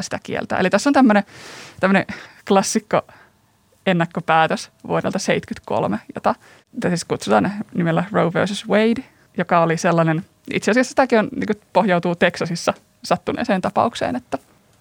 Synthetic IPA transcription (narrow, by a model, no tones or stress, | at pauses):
si̥t̪ækḭḛlt̪æ̰ːḛlit̪æsːont̪æmːønet̪æmːənḛklɑsːikːo̰ | enːɑkːopæːt̪øsʋṵodḛlt̪ɑseit̪kyt̪ko̰lmejo̰t̪ɑ | t̪siskut̪sut̪ɑ̰ːnnimelːærouʋø̰ːˑsysweid | jokɑoliselːɑnen | ḭt̪seɑsiɑsːsi̥t̪ækionnḭːŋkupohjɑut̪uːt̪eksɑsisːɑ | sɑt̪ːunḛːseːnt̪ɑpɑ̰uksḛːnet̪ːæ